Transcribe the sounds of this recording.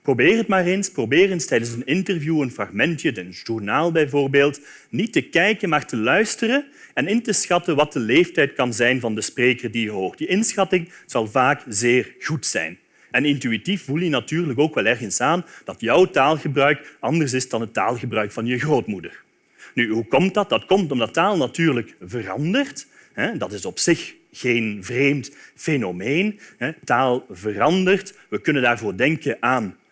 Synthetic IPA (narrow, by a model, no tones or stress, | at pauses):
probeːrɦətmaːrensprobeːrənstɛjdənsənɪntərvjuənfrɑɣmɛntjəənʒurnaːlˠbɛjvoːrbeːlˠt | nitəkɛjkənmaːrtəlœɥstərə | ɛnɪntəsxɑtəʋɑt̚dəleːftɛjtkɑnzɛjnvɑndəspreːkərdijəɦoːrt̚d̥iɪnsxɑtɪŋz̥ɑlˠvaːkzeːrɣutsɛ̰jn | ɛnɪntyitifvulˠjənatyːrlək̬oːkʋɛlˠɛrɣənsaːnd̥ɑtjœwtaːlˠɣəbrœɥkɑndərs̬ɪsdɑnɦəta̰ːlˠɣəbrœɥkfɑnjəɣroːtmudər | nyɦukɔmt̚dɑt̚dɑtkɔmtɔmdɑtaːlˠnatyːrləkvərɑ̰ndərt | ɦɛdɑtɪsɔpsɪx | ɣeːnvreːmtfenomeːnɦɛtaːlˠvərɑndərtʋəkɵnəndaːrvoːrdɛŋkəʔaːn